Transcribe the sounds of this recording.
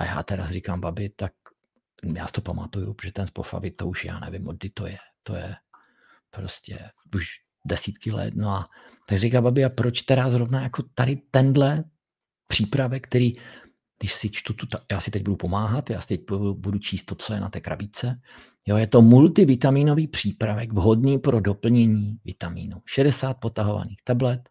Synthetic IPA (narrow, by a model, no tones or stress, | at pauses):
ʔa̰ja̰ːt̪ɛɾa̰srikaːmbabɪt̪ak̚ | ja̰ːsɪ̥t̪o̞pama̰t̪ujṵpoʒɛt̪ɛnspofa̰vɪt̪ouʃja̰ːnɛ̰vɪmʔod̪̚dɪt̪ojɛt̪o̞̰jɛ̰ | pɾo̰scɛ̰ | uʃ | dɛsiːt̪kɪlɛ̰t̪noa | t̪aɡrikaːmbabɪapɾot͡ʃt̪ɛɾazɾovnajako̞t̪adɪt̪ɛndlɛ | pr̥iːpɾavɛkt̪ɛɾiː | dɪʃsɪt͡ʃt̪ut̪ut̪ajaːsɪt̪ɛɟ̚budupo̞maːɦat̪ja̰ːsɪ̥t̪ɛc̚bubudut͡ʃiːst̪ːo̞t͡so̞jɛna̰t̪ɛːkɾa̰bɪt͡sɛ | jojɛt̪o̞mult̪ɪvɪt̪amiːno̞viːpr̝̥iːpɾavɛɡvɦodniːpɾodo̞pl̩ɲɛɲiːvɪt̪amḭːnuʃɛdɛsaːt̪̚po̞t̪aɦo̞va̰niːxt̪ablɛt̪